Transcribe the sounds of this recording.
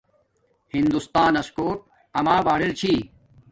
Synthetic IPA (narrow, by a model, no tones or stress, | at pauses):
hind̪ust̪aːnɐskoːʈ̚ | ɐmaːbaːɽilt͡ɕʰiː